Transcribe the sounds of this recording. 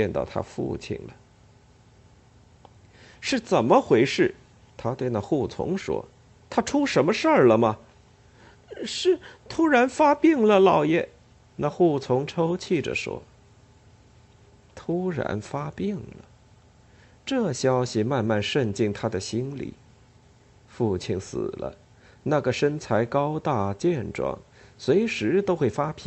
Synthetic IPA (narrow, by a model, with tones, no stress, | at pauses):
t͡ɕjɛ˥˧nt̪ɑ̰˥˧˩ʊt̪ʰa̰˥fṵ˥˩t͡ɕʰḭ˨˩nlə˩ | ʂɻ̩˥˩t͡sə˨˩nmə˦xwe˧˥ɪʂɻ̩˥˩ | t̪ʰa˥t̪we˥˧ɪna˥˧xu˥˩t͡sʰʊ̰˧˥ŋʂwɔ̰˥ | t̪ʰa˥ʈ͡ʂʰu˥ʂə˧˥nmə˧ʂə˞˥˩lə˩mɐ˩ | ʂɻ̩˥˩t̪ʰu˥ɻa˧˥nfa˥pi˥˩ŋlə˨lɑ˨˩ʊjɛ˨˩˦ | na˥˧xu˥˩t͡sʰʊ˧˥ŋʈ͡ʂʰo˥ʊt͡ɕʰi˥˩ʈ͡ʂə̰˩ʂwɔ̰˥ | t̪ʰu˥ɻa̰˧˥nfa˥pi˥˩ŋləə˩ | ʈ͡ʂɤ˥˩ɕjɑ˥ʊɕi˨ma˥˧nma˥˧nʂə˥˧nt͡ɕi˥˩ŋt̪ʰa˥d̪ə˨ɕi˥nlḭ˨˩˦ | fu˥˩t͡ɕʰi˨˩nsɹ̩̰˨˩lə̰˦ | na˥˩ɡə˩ʂə˥nt͡sʰa˧˥ɪkɑ˥ʊt̪a˥˧t͡ɕjɛ˥˧nʈ͡ʂwɑ̰˥˩ŋ | swe˧˥ɪʂɻ̩˧˥t̪o˥ʊxwe˥˩ɪfa˥pʰi˧˥